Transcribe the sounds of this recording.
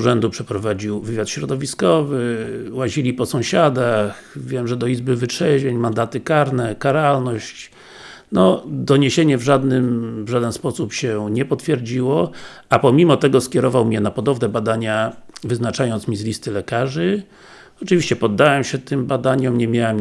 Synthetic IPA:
uʐɛnd̪upʂɛpɾɔvad͡ʑiwvɘvʲjat̪ɕɾɔd̪ɔvʲiskɔvɘwaʑilʲipɔsɔ̃w̃ɕad̪ax | vʲjɛmʐɛd̪ɔizbɘvɘtʂɛvʲeɲmand̪at̪ɘkaɾnɛkaɾalnɔɕt͡ɕ | nɔd̪ɔɲeɕeɲɛvʐad̪nɘmvʐad̪ɛnspɔsupɕɛɲɛpɔt̪fʲjɛɾd͡ʑiwɔʔapɔmʲimɔt̪ɛɡɔskʲjɛɾɔvawmɲɛnapɔd̪ɔvnɛbad̪aɲavɘznat͡ʂajɔnt̪smʲizlʲist̪ɘlɛkaʐɘ | ɔt͡ʂɨvʲiɕt͡ɕɛpɔd̪ːawɛmɕɛt̪ɘmbad̪aɲɔmɲɛmʲjawɛm

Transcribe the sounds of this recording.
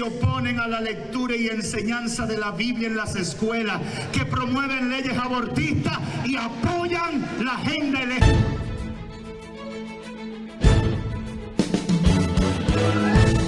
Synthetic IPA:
o̞po̞nẽ̞ŋalale̞k̚t̪uɾaie̞nse̞ɲansaðe̞laβiβljae̞nlase̞skwe̞las | ke̞pɾo̞mwe̞βe̞nle̞ʝe̞saβo̞ɾt̪ist̪asiapo̞ʝaŋlahend̪aelet̪

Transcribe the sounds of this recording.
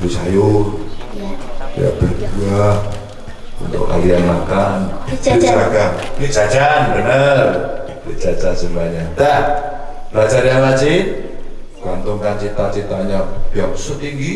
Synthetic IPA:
bit͡ʃajʊr | ja̰b̥ədua | ṵnt̪ʊ̰ka̰lianmakanit͡ʃɾaɡakit͡ʃad͡ʒanbənər | lit͡ʃad͡ʒansəmaɲat̪a | rat͡ʃaɾianlat͡ʃin | ɡ̥ant̪ʊŋkant͡ʃit̪at͡ʃit̪aɲabiausʊt̪iŋɡi

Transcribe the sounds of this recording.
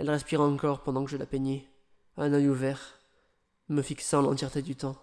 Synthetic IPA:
ɛlʁɛspiʁaɑ̃kɔʁpɑ̃d̪ɑ̃kəʒəlapeɲe | ɛ̃nœjuvɛʁ | məfiksɑ̃lɑ̃t̪jɛʁt̪ed̪yt̪ɑ̃

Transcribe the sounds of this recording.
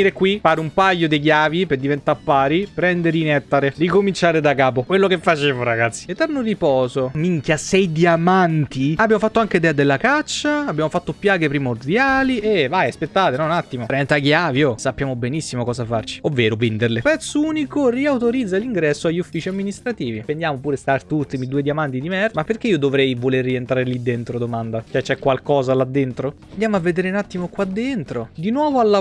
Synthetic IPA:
iɾekwifaːɾeumpajːod̪eɡjaːviperd̪ivent̪aɾpːaːɾipɾɛnd̪eɾinɛt̪ːaɾerikomint͡ʃaːɾed̪akaːpokwelːokefːat͡ʃeːvoɾaɡat̪sːi̥et̪ɛrnoripɔːzomiŋkjasɛjd̪iamant̪iabjamofat̪ːoaŋkeid̪ɛːad̪elːakat͡ʃːaːbjamofat̪ːopjaːɡepɾimord̪jaːlievajaspet̪ːat̪enɔnat̪ːimoɾɛnt̪aɡjaːvjosapːjaːmobenisːimokɔːzafart͡ʃi̥ovːeːɾovend̪erlepɛt̪sːouːnikoriawt̪oɾid̪zːaliŋɡɾɛsːoaʎːufːiːt͡ʃiamːinist̪ɾat̪iːvipend̪jaːmopuːɾest̪art̪ut̪ːmid̪uːed̪jiamant̪id̪imɛrmapːerk̟eiod̪ovɾɛjvolerːient̪ɾaɾelid̪ent̪ɾod̪omand̪at͡ʃɛt͡ʃːɛkːwalkɔːzalad̪ːent̪ɾo | nd̪jaːmoavːed̪eːɾeunat̪ːimokwad̪ːent̪ɾod̪inwɔːvoalːa

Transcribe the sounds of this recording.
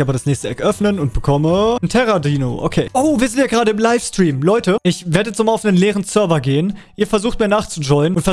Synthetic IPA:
ʔaːbɐɾasnɛːçstəʔɛkʔœfnənʊnt̚b̥əkʰɔməntʰɛʁadiːno̰ʔo̰kʰeːʔoʊviːɐzɪntjaːɡəʁaːɾəɪmlaɪfstʁ̥iːmlɔʏtəʔɪçveːɐdətsnoːmalaʊfnənleːʁənt͡sœɐvɐɡeːənʔiːɐfɛɐzuːxt̚miːɐnaːχt͡sud͡ʒɔʏənʊntfɛɐ

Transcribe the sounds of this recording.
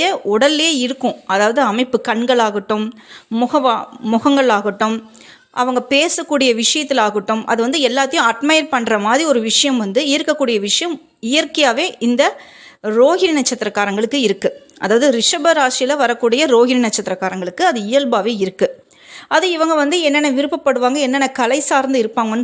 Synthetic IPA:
jɐʊɽɐleːɪɾɯkːʊ̃ɐðaːʋɐðɯɐmɐɪpːɯkɐɳɡɐɭaːɣɪʈːɯmmʊɣɐʋaːmʊɣɐŋɡɐɭaːɣɪʈːɯm | ʔɐ̰ʋɐŋɡɐpeːsɐkːuːɽɪjɐʋɪʂɐjɐt̪ːɪlaːɣɪʈːɯmʔɐ̰ðɯʋɐnd̪ɯɛlːaːt̪ːɐjʊ̃ɐʈmɐjɐɾpɐɳːrɐmaːðɾiɔɾɯʋɪʂɐjɐmʋɐnd̪ɯɪjɾɯkːɐkːuːɽɪjɐʋɪʂɐjɐm | ɪjɐɾkɐjaːʋeːʔɪnd̪ɐ | ɾoːɣɪnɪnɐt͡ʃːɐt̪ːɪɾɐkːaːɾɐŋɡɐɭɯkːɯɪɾɯkːɯ | ʔɐðaːʋɐðɯɾɪʂɐbɐɾaːʂɪjɪlɐʋɐɾɐkːuːɽɪjɐɾoːɣɪnɪnɐt͡ʃːɐt̪ːɪɾɐkːaːɾɐŋɡɐɭɯkːɯɐðɯɪjɐlbaːʋeːɪɾɯkːɯ | ʔɐðɯɪʋɐŋɡɐʋɐnd̪ɯɛnːɐnɐʋɪɾɯpːɐpːɐɽɯʋaːŋɡɐɛnːɐnɐkɐlɐɪsaːɾnd̪ɯɪɾɯpːaːŋɡɐnː

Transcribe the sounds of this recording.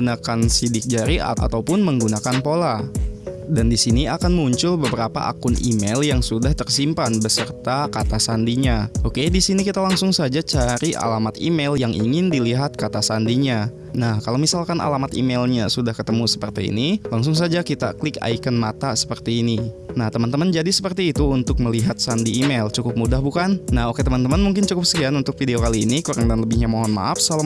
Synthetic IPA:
unakansidɪk̚d͡ʒaɾia̰a̰t̪awpʊnməŋɡunakanpola | dandisiniakanmuɲt͡ʃʊlbəbəɾapa̰ʔa̰kʊnḭmeljaŋsudaht̪ərsimpanbəsərt̪akat̪asandiɲaʔokedisinikit̪alaŋsʊŋsad͡ʒat͡ʃaɾiʔa̰lamat̪ḭmeljaŋʔḭŋɪndiliɦat̪̚kat̪asandiɲa | nahkalawmisalkanʔa̰lamat̪ḭmelɲasudahkət̪əmusə̥pərt̪iḭnilaŋs̬ʊŋs̬ad͡ʒakit̪a̰kəlɪka̰ikənmat̪asə̥pərt̪iːninaht̪əmant̪əmənd͡ʒadisəpərt̪iːt̪uunt̪ʊk̚məliɦat̪̚sandiːmelt͡ʃukʊp̚mudahbukannahoket̪əmant̪əmanmuŋk̬ɪnt͡ʃukʊpsəkianunt̪ʊk̚fideokaliːnikuɾaŋdanləbɪhɲamoɦɔnma̰afsala

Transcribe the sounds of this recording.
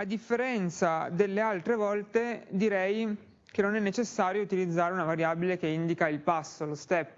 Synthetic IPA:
ad̪ifːeɾɛnt̪sad̪elːealt̪ɾevɔlt̪ed̪iɾɛj | kenːonɛnːet͡ʃesːaːɾjout̪ilid̪zːaːɾeunavaɾjaːbilekeind̪ikailpasːolost̪ɛpː

